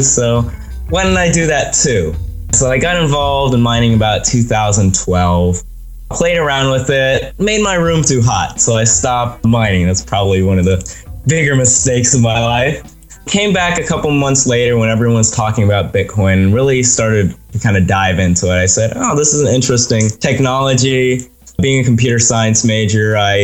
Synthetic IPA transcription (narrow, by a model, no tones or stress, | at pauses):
soʊ | waɪnɾaɪdɨðɨtʰʉsoʊaɪɡɑɾɨ̃ɱvɑlˠvdə̃nmãɪ̃ñɪ̃ŋɨbaʊtʰʉθaʊzə̃n̩tʰw̥ɛlˠv̥ | pʰl̥eɪɾə˞ãʊ̃nd̚wɨðɪt̚meɪd̚maɪɹʉ̃mtʰʉɦɑt̚soʊaɪstɑp̚t̚mãɪ̃nɪ̃ŋðætspʰɹ̥ɑbəbliwʌ̃nʌvðɨbɪɡə˞mɨsteɪksʌvmaɪlaɪf | kʰẽɪ̃mbækɨkʰʌpl̩ˠmʌ̃nθsleɪɾə˞wə̃ñɛvɹiwʌ̃nz̥tʰɔkɪ̃ŋɨbaʊt̚b̥ɪt̚kʰɔ̃ɪ̃nɨ̃nɹɪlˠistɑɹɾɨd̚tʰɨkʰãɪ̃ndɨdaɪvɪ̃ntʰuɨɾaɪsɛɾo̰ʊðɪsɪz̃n̩ɪ̃nt͡ʃɹ̥ɨstɪ̃ŋtʰɛk̚nɑlˠəd͡ʒi | biɪ̃ŋɨkm̩pʰj̥ʉɾə˞saɪɨ̃nsmeɪd͡ʒə˞aɪ